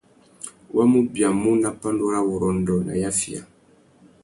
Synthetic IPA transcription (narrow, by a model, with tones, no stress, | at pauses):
wa˦mu˦bja˨mu˦na˨pa˦ndu˦ɾa˦wu˨ɾɔ˨ndɔ˨na̰˨ja˦fi˨a̰˨